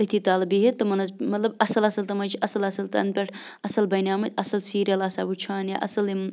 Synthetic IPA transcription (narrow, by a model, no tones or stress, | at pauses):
ɐt̪ʰiːt̪aːlɨbiɦet̪ɨmɐnɐzmɐt̪lɐbɐsɐlɐsɐlt̪ɐmɐt͡ʃʰɐsɐlɐsɐlt̪ɐ̰nd̪̚pʲɐʈʰ | ɐsɐlbɐjnaːmɐt̪ʲɐsɐlsiːɾɐlɐsaːbut͡ʃʰaːnja̰ʔɐ̰sɐlim